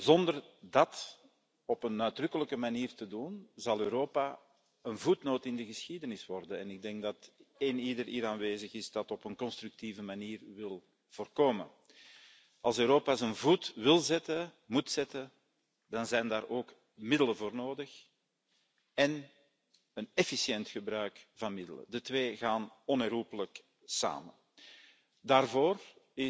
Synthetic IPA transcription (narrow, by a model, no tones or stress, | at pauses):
zɔndərdɑt | ɔpənœɥdrʏkələkəmaniːrtədunzɑlˠøːɾoːpa | ənvutnoːtɪndəɣəsxidənɪswɔrdəɛnɪɡ̚dɛŋɡ̚dɑtɪniːdəɾiːɾaːnʋeːzəɣɪzdɑtɔpənkɔnst̪rʉk̚tiːvəmaniːrʋɪlˠ | v̥oːrkoːmə̰ | ɑlˠsøːɾoːpazənvutwɪlˠzɛtə | mutsɛtə | dɑnzɛjndaːɾʔoːk | mɪdələvoːrnoːdəx | ɛn | ənɛfisjɛntxəbɾœɥkv̥ɑnmɪdə̰lə̰dətweːɣaːnɔnɛrɦupələk | sa̰ːmə | daːrvoːrɪ